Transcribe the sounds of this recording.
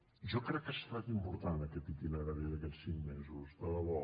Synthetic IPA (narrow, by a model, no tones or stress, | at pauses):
ʒɔkɾɛkːəst̪at̪impuɾt̪anəkɛt̪it̪inaɣəðiðəkɛsiŋmɛzuzðələβɔ